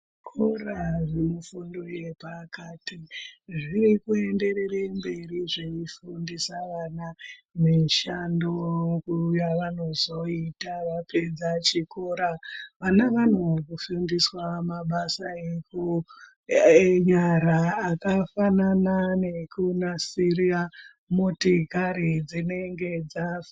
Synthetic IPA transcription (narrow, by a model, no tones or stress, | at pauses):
kʰoraʐemufundo̞je̞pakatiʐiɾikue̞nde̞ɾe̞rembe̞riʐeifundisaʋananeʃandokujaʋano̞zo̞itaʋape̞d͡zat͡ʃikoːɾaʋanaʋan̤okufundiswamaɓasaeku | ɲaɾaːkafananane̞kunasiria | motikaɾid͡zine̞ŋɡe̞d͡zaf